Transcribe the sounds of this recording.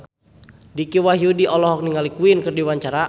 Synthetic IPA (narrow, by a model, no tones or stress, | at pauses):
dikiwaɦiudiʔɔlɔɦɔk̚niŋalikuinkɨrdiwaɲt͡ʃaɾa